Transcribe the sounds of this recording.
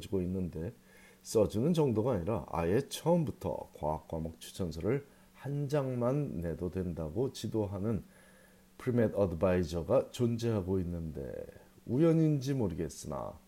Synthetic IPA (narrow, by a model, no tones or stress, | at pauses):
d͡ʑiɡoinːɯnde̞ | s͈ʌd͡ʑunɯnt͡ɕʌŋdoɡaaɲiɾaa̰e̞t͡ɕʰʌɯmbutʰʌ̰kwa̰ːk̚k͈wamʌk̚t͡ɕʰu̥t͡ɕʰʌnsʰʌɾɯɭ | hand͡ʑaŋmanːe̞dodwe̞ndaɡot͡ɕidoɦanɯn | pʰɯɾimedʌdbaid͡ʑʌɡat͡ɕond͡ʑeɦaɡoinːɯnde̞̰ | ujʌɲind͡ʑimoɾɯɡe̞s͈ɯna̰